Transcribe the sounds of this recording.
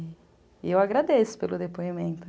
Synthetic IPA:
ewaɡɾad̪esʊ̥pelʊd̪epoimẽnt̪ʊ

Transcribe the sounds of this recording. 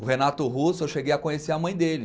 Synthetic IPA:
ʊɦenat̪ʊɦusʊewʃeɡejɐkõɲeseɐmɐ̃j̃d̪elɪ

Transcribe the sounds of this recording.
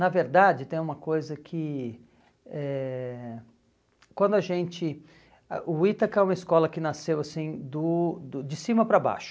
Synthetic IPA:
nɐveɾd̪ad͡ʒɪt̪ẽj̃ũmɐkojzɐkʰɪ | ɛ | kwɐ̃nd̪ʊaʒẽnt͡ʃɪ | a̰ʔʊit̪ɐkɛũmɐɪiskɔlɐkɪnasewasĩd̪ʊd̪ʊd͡ʒɪsĩmɐpɾaba̰ʃʊ̥

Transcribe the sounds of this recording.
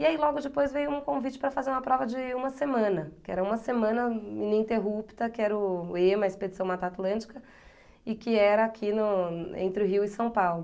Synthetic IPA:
iailɔɡʊd͡ʒɪpojzvejʊũkõvit͡ʃɪ̥pɾɐfazeɾũmɐpɾɔvɐd͡ʒɪũmɐsemɐ̃nɐkɪɛ̰ɾɐũmɐsemɐ̃nɐminĩt̪eɦupt̪ɐkɪɛɾʊẽmɐisped͡ʒisɐ̃w̃mat̪at̪lɐ̃t͡ʃɪ̥kɐ | ɪkɪɛɾɐakʰinʊḛ̃t̪ɾɪɦiwɪsɐ̃w̃pawlʊ

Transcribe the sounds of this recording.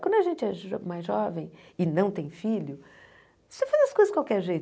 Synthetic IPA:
kɐ̃d̪ʊaʒẽnt͡ʃɪɛʒmajzʒɔvẽj̃ɪnɐ̃w̃t̪ẽj̃filʊ | sefazɐskojzɐd͡ʒɪkwawkɛɾʒejt̪

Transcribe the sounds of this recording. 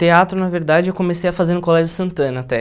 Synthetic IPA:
t̪eat̪ɾʊnaveɾd̪ad͡ʒɪewkomesejɐfazeɾʊkolɛʒʊsɐ̃nt̪ɐ̃nɐat̪ɛ

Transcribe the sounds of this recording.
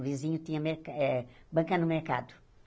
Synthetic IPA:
vizĩɲʊt̪ĩɲɐmeɾkaɛbɐ̃ŋkanʊmeɾka̰d̪ʊ̥

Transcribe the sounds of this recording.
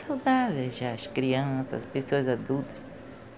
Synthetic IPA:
sawd̪aðɪʒaːskɾiɐ̃sɐ̰spesoɐzad̪ult̪ɐ̥s

